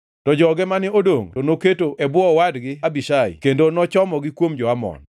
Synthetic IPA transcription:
tɔd͡ʒɔɡɛmanɪodoŋtonoketoʔɛbwɔwadɡɪabiʃaɪ̰kendonɔt͡ʃɔmɔɡɪkwomd͡ʒɔamɔ̰n

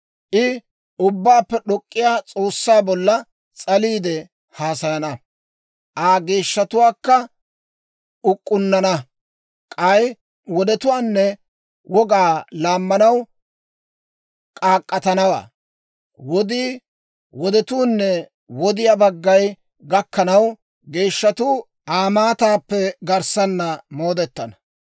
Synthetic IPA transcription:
ʔɪ | ʊbːaːpːɛɗɔkʼːɪjaːt͡sʼo̞ːsːaːbɔlːɐ | t͡sʼɐliːd̪ɛ | haːsɐjɐnɐ | ʔaːɡeːʃːɐt̪ʊwaːkːɐ | ʊkʼːʊnːɐnɐ | kʼɐj | wɔd̪ɛt̪ʊwaːnːɛ | wɔɡaːlaːmːɐnɐw | kʼaːkʼːɐt̪ɐnɐwa̰ː | wɔd̪iː | wɔd̪ɛt̪uːnːɛ | wɔd̪ɪjabɐɡːɐj | ɡɐkːɐnɐw | ɡe̞ːʃːɐt̪uː | ʔaːmaːt̪aːpːɛɡɐɾsɐnːɐmo̞ːd̪ɛt̪ːɐnɐ̥

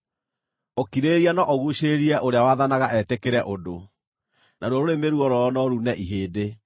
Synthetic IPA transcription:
okiɾeɾianɔʔɔɣuʃeɾiɛʔoɾeawaðanaɣaʔɛtekeɾɛʔodo | naɾwɔɾoɾemeɾuɔɾɔnɔɾunɛʔiɦeːde

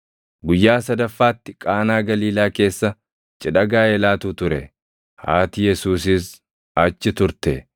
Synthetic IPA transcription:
ɡʊjːaːsɐd̪ɐfːaːt̪ːɪkʼaːnaːɡɐliːlaːke̞ːsːɐ | t͡ʃʼɪᶑɐɡaːɛlaːt̪uːt̪ʊɾɛ | haːt̪ɪjɛsuːs̬ɪs | ɐt͡ʃːɪt̪ʊɾt̪ɛ

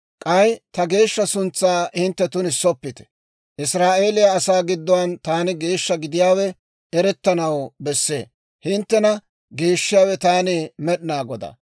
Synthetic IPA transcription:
kʼɐjt̪ɐɡe̞ːʃːɐsʊnt͡sːaːhɪnt̪ːɛt̪ʊnɪsːɔpːɪt̪ɛ̥ | ʔɪsɾaːʔe̞ːlɪjaːsaːɡɪd̪ːɔwɐnt̪aːnɪɡe̞ːʃːɐɡɪd̪ɪjaːwɛ | ɛɾɛt̪ːɐnɐwbɛsːe̞̰ː | hɪnt̪ːɛnɐ | ɡeːʃːɪjaːwɛt̪aːnɪmɛɗnaːɡɔd̪ɐ̰

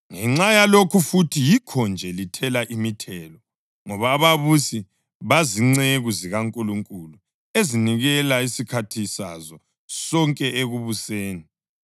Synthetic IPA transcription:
ŋɛŋ͡ǁajalokʰufutʰijikʰɔnd͡ʒʱɛlitʰɛlaʔimitʰɛlɔ | ŋɔβaβaβusi | βaziŋ͡ǀeɣuziɣaŋkʼuluŋkʼulu | eziniɣɛlaisikʰatʰisa̰zɔ | sɔŋkʼɛʔeɣuβuseːni

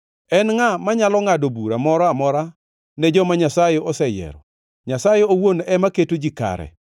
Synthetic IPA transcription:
ɛnŋamaɲalɔŋadobuɾamɔɾɔamɔɾa | nɛd͡ʒɔmaɲasajeɔsɛjɛ̰ɾɔ | ɲasajeowonɛmaketod͡ʒika̰ɾɛ̰

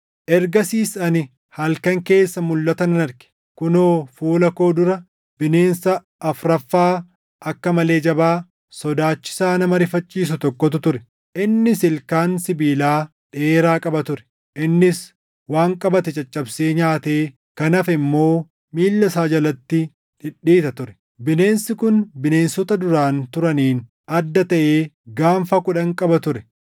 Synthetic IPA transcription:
ʔɛɾɡɐsiːsɐnɪ | hɐlkɐŋke̞ːsːɐmʊlːɐt̪ɐnɐnɐɾɡɛ̥ | kʊnoːfuːlɐko̞ːd̪ʊɾɐ | b̥ɪne̞ːnsɐ | ʔːfɾɐfːaː | ʔɐkːɐmɐle̞ːd͡ʒɐbaː | sɔd̪aːt͡ʃːɪ̥saːnɐmɐɾɪfɐt͡ʃʼːiːs̬ʊt̪ɔkʼːɔt̪̬ʊt̪ʊɾɛ | ʔɪnːɪsɪlkaːnsɪbiːlaː | ᶑe̞ːɾaːkʼɐbɐt̪ʊɾɛ̥ | ʔɪnːɪs | waːŋkʼɐbɐt̪ɛt͡ʃʼɐt͡ʃʼːɐbseːɲaːt̪eː | kɐnɐfɛɪmːo̞ː | miːlːɐsaːd͡ʒɐlɐt̪ːɪ | ᶑɪᶑːiːt̪ɐt̪ʊɾɛ̥ | bɪne̞ːnsɪkʊnbɪne̞ːnsɔt̪ɐd̪ʊɾaːnt̪ʊɾɐniːn | ɐd̪ːɐt̪ɐʔeː | ɡaːɱfɐkʊᶑɐŋkʼɐbɐt̪ʊɾɛ

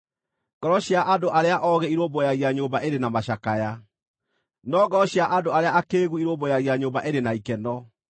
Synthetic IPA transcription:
ɡ̥ɔɾɔɕjaʔadoʔaɾeaʔɔɣɛiɾoːbojaɣiaɲoːbaʔeɾenamaɕakaja | nɔɡɔɾɔɕjaʔadoaɾeaakeːɣuiɾoːbojaɣiaɲoːbaʔeɾenaikɛnɔ

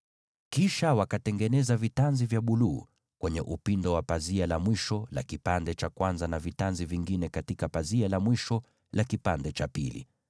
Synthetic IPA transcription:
kiʃawakatɛŋɡɛnɛzavitanzivjaɓuluː | kwɛɲɛʔupindɔwapazialamwiʃɔla̰kipandɛt͡ʃakwanzanavitanziviŋɡinɛkatikapazialamwiʃɔ | lakipandɛt͡ʃapḭlḭ

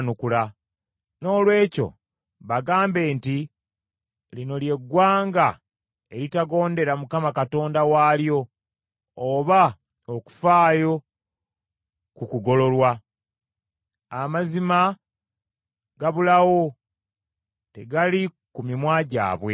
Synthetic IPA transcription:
nukula | no̞ːlwe̞ːco̞̰ | βaɡaːmbe̞ːnti | lino̞lje̞ɡːwaːŋɡa | e̞ɾitaɡo̞ːnde̞ɾamukamakato̞ːndawaːljo̞ː | βa | oku̥faːjo̞ | kukuɡo̞lo̞lwa | amazima | ɡ̥aβulawo̞ | te̞ɡali | kumimwaːɟa̰ːβwe̞

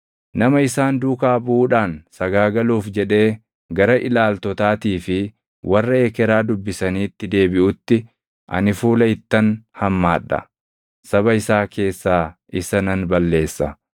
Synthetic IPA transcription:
nɐmɐɪsaːnd̪uːkaːbuːᶑaːnsɐɡaːɡɐluːfd͡ʒɛᶑe̞ː | ɡɐɾɐʔɪlaːlt̪ɔt̪aːt̪iːfɪ | wʔɐrːɐeːkɛɾaːd̪ʊbːɪsɐniːt̪ːɪd̪e̞ːbɪʔʊt̪ːɪ | ʔɐ̰nɪfuːlɐɪt̪ːɐnhɐmːaːᶑːɐ̰ | sɐβɐɪsaːkʰe̞ːsːaː | ɪsɐnɐnbɐlːe̞ːsːɐ

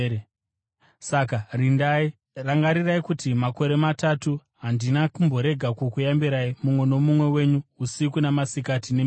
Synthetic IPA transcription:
sakarindai | raŋɡaɾiraikutimako̞ɾe̞matatu | ɦandinakumbo̞ɾe̞ɡʱakukujambiɾaimumwe̞no̞mumwe̞we̞ɲuusikunamasikatine

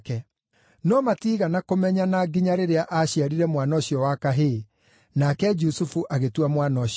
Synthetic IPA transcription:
kɛ | nɔmatiːɣanakomɛɲanaɡiɲaɾeɾeaʔaɕiaɾiɾɛmwanɔɕiɔwakaɦe | nakɛd͡ʒusufuʔaɣetwamwanɔɕ

